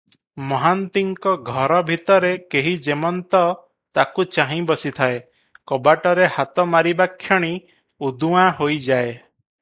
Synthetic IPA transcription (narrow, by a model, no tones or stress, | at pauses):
mɔɦant̪iŋkɔɡʱɔɾɔbʱit̪ɔɾekeɦid͡ʒemɔnt̪ɔ | t̪akut͡ʃaɦĩbɔsit̪ʰae | kɔbaʈɔɾehat̪ɔmaɾibakʰːjɔɽ̃i | ud̪uwaɦojd͡ʒae